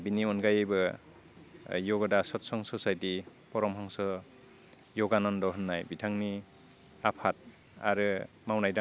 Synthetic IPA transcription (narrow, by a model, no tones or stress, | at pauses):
biniɔnkajebɯ | jɔɡɔdasɔtsɔŋsɔsajtipɔɾɔmɦaŋsɔ | jɔɡanɔndɔɦɯnːajbitʰaŋni | apʰat̚ | a̰ɾɯ | mawnajda